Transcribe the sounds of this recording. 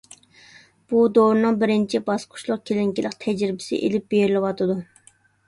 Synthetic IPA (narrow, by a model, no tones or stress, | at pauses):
b̥ud̪oɾɨnɨŋbɪɾɪnt͡ʃʰibɑsqʰʊ̥ʃlˠʊqkʲʰelɪŋkʲilɪqt̪ʰɛd͡ʒɾɪbɪ̥sɪ̰ʔelɪp̚b̥ejɾɪlɪwɑt̪ʰɨd̪u